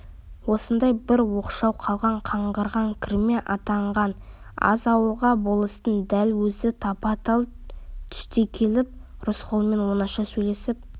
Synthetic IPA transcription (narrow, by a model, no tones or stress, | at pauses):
wo̞sənd̪ɑjbɪɾwo̞qʃɑwqʰɑlˠʁɑɴqʰɑɴʁəɾʁɑŋkʲʰɪɾɪme̞ʔɑt̪ɑɴʁɑnɑ̰zɑwəlˠʁɑbo̞lˠəst̪ənd̪ælwɵzɪt̪ʰɑpɑt̪ɑlˠt̪ʰʏ̥st̪e̞kʲʰe̞lɪp̚ɾʊsqʰolˠme̞nwo̞nɑʃɑsɵjle̞sɪp̚